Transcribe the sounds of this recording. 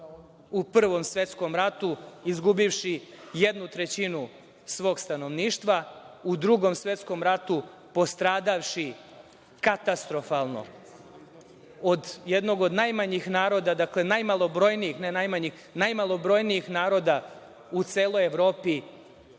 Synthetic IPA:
upr̩ʋo̞msʋe̞t̪sko̞mɾat̪uizɡubiʋʃijed̪nut̪ɾe̞t͡ɕinu | sʋoːɡst̪ano̞ʋniːʃt̪ʋaud̪ɾuɡo̞msʋe̞t̪sko̞mɾat̪u | po̞st̪ɾaːd̪aʋʃi | kat̪ast̪ɾo̞falˠno̞̰ | od̪je̞d̪no̞ɡo̞d̪najmaɲixnaːɾo̞d̪ad̪akle̞najmalˠo̞bɾo̞jnijixne̞najmaɲix | najmalˠo̞bɾo̞jniixnaːɾo̞d̪a | ut̪se̞ːlo̞jeʋɾo̞ːpi

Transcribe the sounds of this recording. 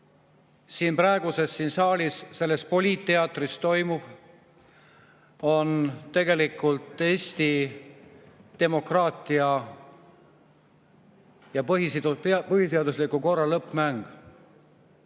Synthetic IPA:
siːnprɑeɡ̥use̞sːiːnsɑːlʲisse̞lːest̪̚po̞lʲiːt̪ːe̞ɑt̪ːˑrist̪o̞jmub̥ | o̞nt̪e̞ɡe̞likːˑult̪ːˑe̞ːsʲt̪i | d̪̥e̞mo̞krɑːt̪ˑiɑ | jɑpɦispɤhiseɑd̪uslikːˑuko̞rːɑlɤpːˑmæŋɡ̥

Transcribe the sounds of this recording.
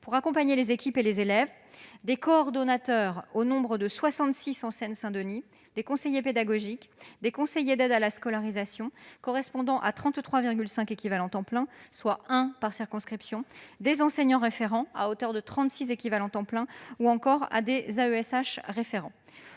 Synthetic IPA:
puʁakɔ̃paɲelezekʲipelezelɛv | d̪ekɔːʁd̪ɔnat̪œʁonɔ̃bʁəd̪əswasɑ̃t̪sisɑ̃sɛnsɛ̃d̪əni | d̪ekɔ̃sejeped̪aɡɔʒikd̪ekɔ̃sejed̪ɛd̪alaskɔlaʁizasjɔ̃kɔʁɛspɔ̃d̪ɑ̃ʔat̪χɑ̃t̪t̪χwaviʁɡʲylsɛ̃kekʲivalɑ̃t̪ɑ̃plɛ̃swaɛ̃paʁsiʁkɔ̃skχipsjɔ̃d̪ezɑ̃seɲɑ̃ʁefeʁɑ̃a̰ot̪œʁd̪ət̪χɑ̃t̪sizekʲivalɑ̃t̪ɑ̃plɛ̃uɑ̃kɔʁa̰d̪ezaøɛsaʃʁefeʁɑ̃

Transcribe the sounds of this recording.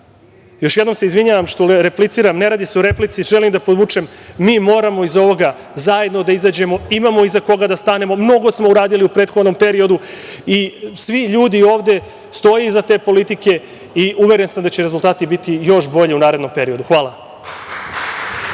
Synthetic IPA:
jo̞ʃje̞d̪nomseizʋiɲaːʋamʃt̪oɾeplit̪siːɾamne̞ɾaːd̪iseoɾe̞plit̪siʒelimd̪apo̞d̪ʋut͡ʂemːiːmo̞ːɾamo̞izo̞ʋo̞ɡa | zaje̞d̪no̞d̪aizaːd͡ʑe̞mo̞imamo̞izako̞ɡad̪ast̪ane̞momno̞ɡo̞smo̞uɾaːd̪iliupɾe̞ːt̪xo̞d̪no̞mpe̞ɾio̞d̪uisʋiʎuːd̪io̞ːʋd̪e̞ | st̪o̞jiizat̪e̞ːpo̞lit̪ike̞ | iʔuʋe̞ɾensamd̪at͡ɕeɾezulˠt̪aːt̪ibit̪ijo̞ʃbo̞ʎeunaːɾed̪no̞mpe̞ɾio̞d̪uxʋaːlˠa

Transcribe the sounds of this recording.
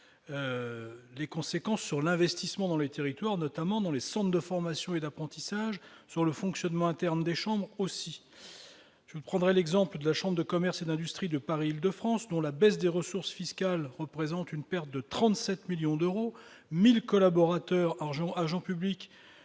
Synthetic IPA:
ø | lekɔ̃sekɑ̃sːyʁlɛ̃vɛst̪ismɑ̃d̪ɑ̃let̪eʁit̪waʁnɔt̪amɑ̃d̪ɑ̃lesɑ̃t̪d̪əfɔʁmasjɔ̃ed̪apχɑ̃t̪isaʒsyʁləfɔ̃ksjɔnmɑ̃ɛ̃t̪ɛʁnd̪eʃɑ̃bʁosi | ʒ̥əvupχɑ̃d̪ʁɛlɛɡzɑ̃pləd̪əlaʃɑ̃bʁd̪əkɔmɛʁsed̪ɛ̃d̪yst̪χid̪əpaʁiːld̪əfχɑ̃sd̪ɔ̃labɛsd̪eʁəsuʁsfiskalʁəpχezɑ̃t̪ynpɛʁt̪̚d̪ət̪χɑ̃t̪sɛt̪miljɔ̃d̪øʁo | milkɔlabɔʁat̪œʁaʁʒɑ̃aʁʒɑ̃pyblikʲ

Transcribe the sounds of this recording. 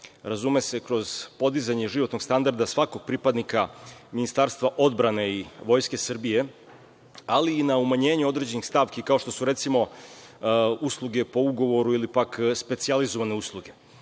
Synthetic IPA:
ɾazume̞se̞kɾo̞z̥po̞d̪izaɲeʒiʋo̞t̪no̞ɡ̥st̪and̪aɾd̪asʋako̞ɡ̚pɾipad̪nikaminist̪aːɾst̪ʋaʔo̞d̪bɾane̞iʋo̞jske̞srbije̞ | aliːnaumaɲe̞ːɲuo̞d̪ɾe̞d͡ʑe̞nixst̪aʋkikao̞ʃt̪o̞suɾe̞t̪simo̞ | uslˠuɡe̞po̞uɡo̞ʋo̞ɾuilipakspe̞t̪sializo̞ʋane̞uslˠuɡe̞

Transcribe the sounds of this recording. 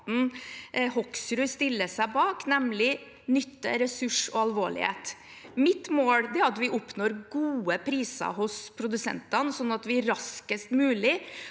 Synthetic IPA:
n̩hɔksɾʉst̪ɪlːəsæɪbɑːknɛmlɪ | nʏt̪ːə̰ɾɛsʉʂɔɑlʋoːɭɪ̰hḛːt̪ | mɪt̪moːld̪ɛæɾɑt̪ʋɪʔʊpːnoːɾɡuːəpʰɾiːsɑ̰ɦʊspʰɾʊd̪ʉsɛ̰nt̪ɑnəsɔnːɑt̪ʋɪæɾɾɑskəst̪mʉːlɪ

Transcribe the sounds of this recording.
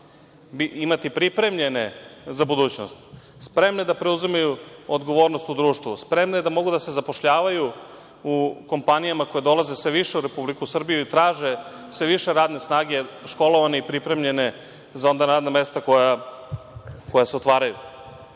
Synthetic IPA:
biimat̪ipɾipɾe̞mʎe̞nezabud̪uːt͡ɕno̰st̪ | spɾe̞mned̪apɾe̞uzimajuod̪ɡo̞ʋo̞ːɾno̞st̪ud̪ɾuːʃt̪ʋuspɾe̞mned̪amo̞ɡud̪ase̞zapo̞ʃʎaːʋaju | uko̞mpanijamako̞je̞d̪o̞lˠazesʋeʋiʃe̞uɾe̞publikusr̩bijuit̪ɾaːʒe | sʋe̞ʋiʃe̞ɾaːd̪ne̞snaːɡe̞ʃko̞loʋaneipɾipɾe̞mʎe̞ne̞ | zao̞nd̪anad̪name̞st̪akoja | ko̞jaseot̪ʋaːɾajṵ

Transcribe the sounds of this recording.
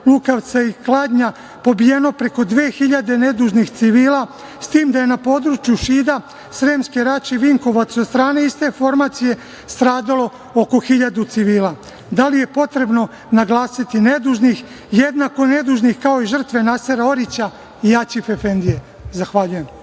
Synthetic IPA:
lukaʋt̪saiklˠaːd̪ɲa | po̞bijeno̞pɾe̞ko̞d̪ʋe̞ːxiʎad̪e̞ne̞d̪uːʒnixt̪siʋiːla | st̪iːmd̪ajenapo̞ːd̪ɾut͡ʃjuʃiːd̪a | sɾeːmskeɾat͡ʃiʋiŋko̞ʋat̪sost̪ɾaːne̞ist̪e̞fo̞ɾmat̪sije̞ | st̪ɾaːd̪alo̞ | oko̞xiʎad̪ut̪siʋiːlaː | d̪alije̞po̞t̪ɾe̞bno̞ | naɡlˠaːsit̪ine̞d̪uːʒnix | jed̪nako̞ne̞d̪uːʒnixkao̞iʒr̩t̪ʋe̞naseɾao̞ɾit͡ɕa | ijat͡ɕifefe̞nd̪ije | zaxʋaʎuje̞m

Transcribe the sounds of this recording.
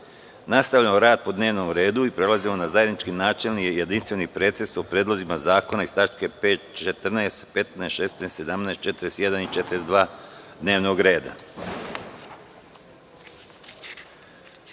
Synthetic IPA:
nast̪aʋʎamoɾaːd̪̚po̞d̪ne̞ːʋno̞mɾe̞ːd̪uipɾe̞lazimonazaje̞d̪nit͡ʃkinaːt͡ʃelnijejed̪inst̪ʋe̞nipɾe̞ːt̪esopɾeːd̪lˠo̞zimazaːko̞naist̪at͡ʃke̞pe̞ːt̪t͡ʃet̪r̩neːst̪pe̞t̪nest̪ʃe̞ːst̪neːst̪se̞d̪amneest̪̚t͡ʃe̞t̪ɾest̪je̞d̪anit͡ʃet̪ɾesd̪ʋaːd̪ne̞ːʋno̞ɡɾe̞ːd̪a̰

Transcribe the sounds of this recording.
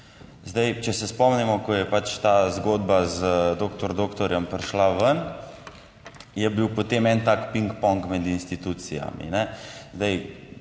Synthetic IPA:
zd̪ajt͡ʃɛsɛspɔmnɛmɔkɔjɛpat͡ʃt̪aːzɡoːd̪bazd̪oːkt̪ɔɾd̪oːkt̪ɔɾjɛmpɾɛʃlaʋən | jɛbiwpɔt̪emɛnt̪aːkpiŋkpɔŋkmɛd̪inst̪it̪uːt̪sija̰mḭnɛzd̪aj

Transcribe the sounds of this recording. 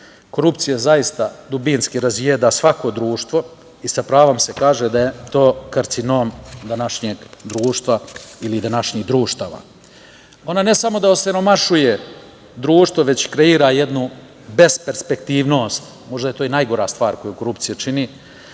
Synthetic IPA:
ko̞ɾupt̪sijazajist̪ad̪ubinskiɾazjed̪asʋako̞d̪ɾuːʃt̪ʋo̞ | isapɾaːʋomse̞kaːʒed̪aje̞t̪o̞ːkaɾt̪sino̞ːmd̪anaʃɲeːɡd̪ɾuːʃt̪ʋailid̪anaʃɲiːɡd̪ɾuːʃt̪aːʋa̰ | o̞nane̞samo̞d̪aoseɾo̞maʃuje̞ | d̪ɾuːʃt̪ʋoʋe̞t͡ɕkɾe̞iːɾaje̞d̪nu | be̞spe̞ɾspekt̪iːʋno̞ːst̪ | mo̞ʒd̪aje̞t̪o̞ːinajɡo̞ɾaːst̪ʋaːɾko̞juko̞ɾupt̪sijat͡ʃini

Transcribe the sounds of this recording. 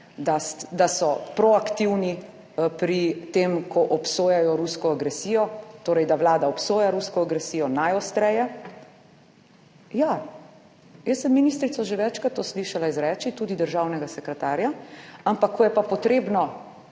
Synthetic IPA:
d̪asd̪asɔpɾɔakt̪iwni | pɾit̪emkʰɔʔɔpsoːjajɔɾuskɔaɡɾɛsiːjɔt̪oːɾɛjd̪aʋlaːd̪aɔpsoːjaɾuskɔaɡɾɛsiːjɔnajɔst̪ɾɛjɛ | ja | jəsəmːinist̪ɾit̪sɔʒeʋɛt͡ʃkɾat̪ːosliʃalaizɾɛt͡ʃit̪uːd̪id̪əɾʒawnɛɡasɛkɾɛt̪aːɾjaampakʰːɔjɛpapɔt̪ɾeːbnɔ

